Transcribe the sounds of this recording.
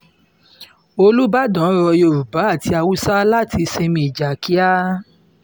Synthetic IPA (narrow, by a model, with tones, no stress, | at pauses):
o˧lu˦ba˦dɔ̃˨˦ɾɔ˧jo˧˨ɾu˨ba˨˦a˦˨ti˧a˧wu˦sa˦la˦˨ti˧se˧mĩ˧i˨d͡ʒa˨kʰi˦a˦